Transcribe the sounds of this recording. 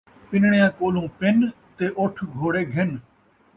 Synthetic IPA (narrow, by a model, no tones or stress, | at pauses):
pɪnɳejãːkoːlũːpɪn | t̪eːʔʊʈʰɡʱoːɽeːɡʱɪn